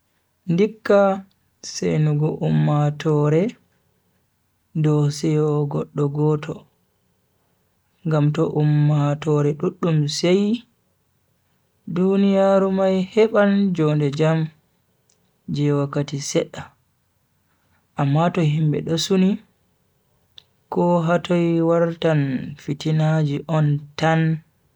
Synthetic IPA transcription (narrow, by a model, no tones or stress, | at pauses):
ndikːa | sḛjnuɡɔʔumːatɔɾɛ | dɔsɛjɔɡɔɗːɔɡɔtʰɔ | ŋɡamtɔʔumːatɔɾɛɗuɗːumsej | dunijaɾumajhɛɓand͡ʒɔndɛd͡ʒam | d͡ʒɛwakːatisɛɗːa | ʔamːatɔhimbɛ̰ɗɔsuni | kɔɦatɔjwaɾtanfitinad͡ʒiʔɔntan